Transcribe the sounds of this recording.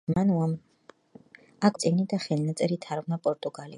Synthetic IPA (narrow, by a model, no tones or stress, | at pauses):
manuam | akʰt̪sʼiɡnid̪aχɛlnat̪sʼɛɾit̪ʰaɾvnapʼɔɾt̪ʼuɡalḭ